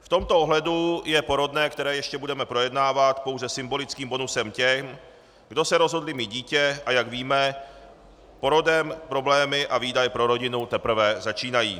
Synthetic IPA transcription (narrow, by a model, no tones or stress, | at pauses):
ft̪o̞mt̪o̞ʔoɦlɛdujɛpo̞ɾo̞dnɛːk̚t̪ɛɾɛːjɛʃcɛbudɛmɛpɾo̞jɛdnaːvat̪po̞wzɛsɪmbo̞lɪt͡skiːmbo̞nusɛmcɛm | ɡdo̞sɛɾo̞zɦo̞dlɪmiɟiːcɛʔajaɡviːmɛ | po̞ɾo̞dɛmpɾo̞blɛːmɪʔaviːdajɛpɾo̞ɾo̞ɟɪnut̪ɛpɾ̩vɛzat͡ʃiːnajḭː